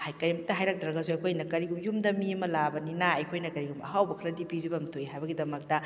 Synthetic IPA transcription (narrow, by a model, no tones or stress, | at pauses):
hajkɐɾimtɐɦajɾak̚dɾɐɡazuɐjkʰojnɐkɐɾiɡumjumdɐmiɐmɐlabɐninaɐjkʰojnɐkɐɾiɡumɐ̰ɦawbɐkʰɐɾɐdipizibɐmtʰojɦajbɐɡidɐmɐk̚tɐ